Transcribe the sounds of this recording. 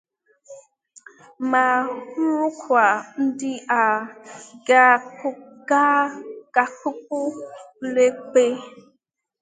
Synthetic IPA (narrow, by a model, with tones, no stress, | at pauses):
ma˨hu˦ɾu˦kʰwa˨n̩˦di˦ʔa˨ | ɡa˨ku˦ɡa˦ɡ̥a˨ku˦k̚u˦le˦k͡pe˦